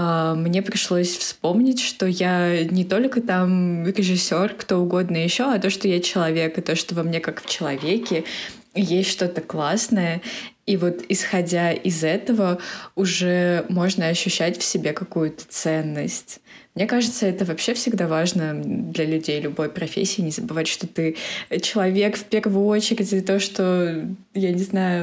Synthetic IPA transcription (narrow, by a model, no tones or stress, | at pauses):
amnʲe̞pɾʲɪʂlˠo̞sʲfspo̞mnʲɪtʲʂt̪o̞janʲɪt̪o̞lʲkət̪amɾʲɪʐɨsʲːo̞rkt̪o̞ʊɡo̞d̪nəjɪɕːo̞ɐt̪o̞ʂt̪ojat͡ɕɪlˠɐvʲe̞kɨt̪o̞ʂt̪ovɐmnʲe̞kakft͡ɕɪlˠɐvʲekʲɪ | jesʲtʲʂt̪o̞t̪əklˠasnəjə | ivo̞t̪ɪsxɐdʲaɪzɛt̪əvəʊʐɛmo̞ʐnəɐɕːʉɕːætʲfsʲɪbʲekɐkujʊt̪ə̥t̪sɛnːəsʲtʲ | mnʲe̞kaʐɨt̪səɛt̪əvɐpɕːe̞fsʲɪɡd̪avaʐnəd̪lʲɐlʲʉdʲejlʲʊbo̞jpɾɐfʲḛsʲɪːnʲɪzəbɨvatʲʂt̪o̞t̪ɨt͡ɕɪlˠɐvʲe̞kfpʲɪɾvɨo̞t͡ɕɪɾʲɪtʲɪt̪o̞ʂt̪o̞ | janʲɪznajʊ